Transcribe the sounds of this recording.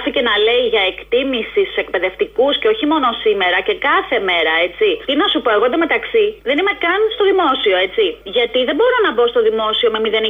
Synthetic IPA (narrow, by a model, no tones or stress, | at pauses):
θice̞nɐle̞iʝɐe̞kt̪imisist̪u̥se̞k̚pe̞ðe̞ft̪ikusceo̞çimo̞nosime̞ɾɐce̞kɐθe̞me̞ɾɐe̞t͡sit̪inɐsupo̞e̞ɣo̞nd̪eme̞t̪ɐksiðe̞nime̞kɐnst̪o̞ðimo̞sio̞e̞t͡siʝɐt̪iðe̞mbo̞ɾo̞nɐbo̞st̪o̞ðimo̞sio̞memiðe̞ni